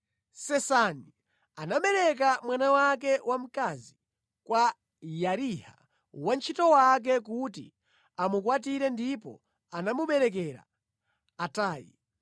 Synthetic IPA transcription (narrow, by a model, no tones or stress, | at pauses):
sɛsani | anaɓɛɾɛk̬amwanawakɛwʔam̩kazi | kwa | jaɾiha̰ | want͡ʃʰitɔwak̬ɛk̬utḭ | amukwatiɾɛndipɔ̰ | anamuɓɛɾɛkɛɾa̰ː | taːjḭ